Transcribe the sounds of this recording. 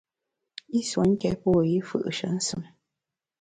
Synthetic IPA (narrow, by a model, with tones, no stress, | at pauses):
i˦swo˨˦ŋ̩˦kɛ̰˦pɔ˦˨ji˦fɯ̰˦˨ʔʃə˨˦n̩˦sɨ˨m˦